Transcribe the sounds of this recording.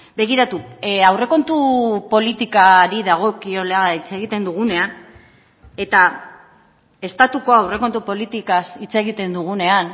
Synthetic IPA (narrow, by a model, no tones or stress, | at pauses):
be̞ɣ̞iɾat̪uawre̞ko̞nt̪upo̞lit̪ikaɾiðaɣ̞o̞kio̞leait͡se̞ɣ̞it̪e̞nd̪uɣ̞une̞an | e̞t̪a | e̞st̪at̪uko̞awre̞ko̞nt̪upo̞lit̪ikasit͡se̞ɣit̪e̞nd̪uɣ̞une̞an